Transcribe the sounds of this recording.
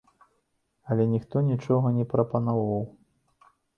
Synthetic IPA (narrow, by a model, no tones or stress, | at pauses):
ɐlʲɛnʲixt̪ɔnʲit͡ʂɔɣɐnʲɛpɾɐpɐnavaw